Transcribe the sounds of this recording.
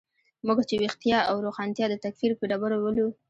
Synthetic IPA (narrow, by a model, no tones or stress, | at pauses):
muɡat͡ʃewext̪ijɑawɾoxɑnt̪jɑd̪ət̪akfiɾpeɖabaɾowəlu